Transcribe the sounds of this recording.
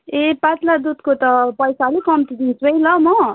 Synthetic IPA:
epatlad̪ud̪kot̪ʌpʌjsalekʌmt̪id̪isbʌjlʌmʌ

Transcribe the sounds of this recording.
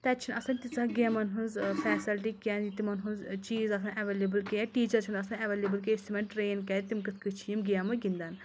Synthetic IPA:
t̪ɛt͡ʃʰinɐsɐnt̪it͡saɡamɐnɦunzfɛːsilʈ̬ikʲaːnit̪imɐnɦũnzt͡ʃiːzɐs̬ɐnʔɐʋeːleːbɨlkiʈiːt͡ʃɐɾt͡ʃʰunɐsɐnɐʋeːlebɨlk̬estimʲeɳʈɾeːnkɛːt̪imkɨt̪ʰkɨt͡ʃʰijimɡijamɐɡind̪an

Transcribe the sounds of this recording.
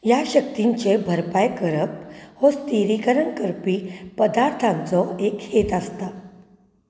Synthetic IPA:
jaɕək̚t̪iɲt͡ɕebʱəɾpajkəɾəp̚hɔst̪iɾikəɾənkəɾpipəd̪aɾt̪ʰãnt͡sɔekhet̪ast̪a

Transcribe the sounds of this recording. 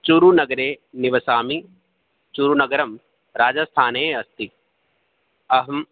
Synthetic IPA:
t͡ʃuɾunɐɡɐɾeːnɪʋɐsaːmi | t͡ʃuɾunɐɡɐɾɐm | ɾaːd͡ʒɐst̪ʰaːneːɐst̪i | ɐɦɐm

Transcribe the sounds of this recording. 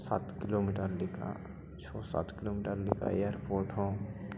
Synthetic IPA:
saːt̪kɪlomiʈəɾlɪkʰa̰ | t͡ʃʰɔːsa̰ːt̪kɪloːmiʈəɾlɪka̰ejəɾpoːɾʈɦõː

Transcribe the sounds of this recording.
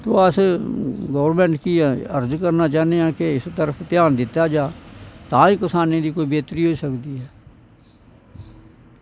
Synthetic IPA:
t̪õːəs | ɡəːʋəɾmɛ̃ːɳʈkiːɛːəɾd͡ʒkəɾnaːt͡ʃaːneːãːkɪɪst̪əɾəpʰt̪ɪjaːnd̪ɪt̪ːaːd͡ʒaːt̪ãːĩːkɪsaːnẽːd̪iːkoːiːbeːt̪ɾiːɦoiːsəkd̪iːɦɛː

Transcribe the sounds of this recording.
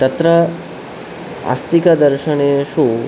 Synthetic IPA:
t̪ət̪ɾə | a̰st̪ikad̪əɾʃəneʃũ

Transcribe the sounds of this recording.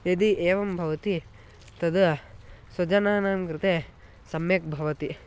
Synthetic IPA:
jed̪iʔeːʋɐmbʱɐʋɐt̪i | t̪ɐd̪ | sɐd͡ʒɐnaːnaːmkɾɨt̪eː | sɐmjɐk̚bʱɐʋɐt̪i

